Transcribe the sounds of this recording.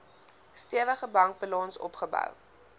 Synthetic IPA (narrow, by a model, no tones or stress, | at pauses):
stiəvəχəbɐŋk̚bəlɑnsɔ̰pχəbœ̰w